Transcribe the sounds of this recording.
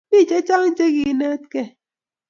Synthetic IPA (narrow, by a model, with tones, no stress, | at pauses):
i˦˨t͡ʃe˦t͡ʃa˦ŋn̩˦t͡ʃe˦ɣi˨ne˦t̚ke˦